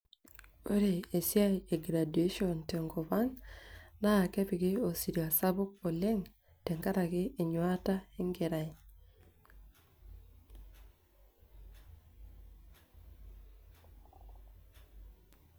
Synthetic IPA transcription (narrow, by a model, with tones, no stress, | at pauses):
o˦ɾe˨e˨sja˦je˨ɡɾa˨du˨e˦ʃio˨nte˨ŋɡo˨ba˦ŋna˦˨kɛ˦pɪ˨ɡɪ˦o˨si˨ɾja˨sa˦bʊ˦k̚o˨le˦ŋ | tɛ˨ŋɡa˦ɾa˨ɡɪː˦˨ɲwa˦ta˦i˦ŋɡe˨ɾa˨j